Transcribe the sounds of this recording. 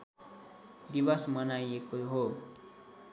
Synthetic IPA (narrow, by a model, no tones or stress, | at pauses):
d̪ibʌsmʌnajekoɦo